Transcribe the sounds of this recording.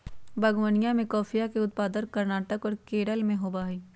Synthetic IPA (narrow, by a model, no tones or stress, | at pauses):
bɐɡwənijãmẽkɔːfijakeʊt̪̚paːd̪əɾkɐɾnaːʈəkɔːɾkeːɽəlmẽɦoːbaːɦiː